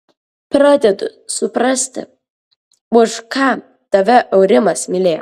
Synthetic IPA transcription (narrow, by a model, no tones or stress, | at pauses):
pɾɑːd̪ʲɛd̪ʊ̰sʊpɾɑsʲt̪ʲɪ̰ | ʊʃkɑː | t̪ɐʋʲɛʔɐʊɾʲɪmɐsmʲɪlʲeːjo̰